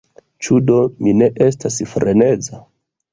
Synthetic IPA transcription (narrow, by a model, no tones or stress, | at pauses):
t͡ʃudo̞mine̞ʔe̞stasfɾʔe̞ne̞d͡za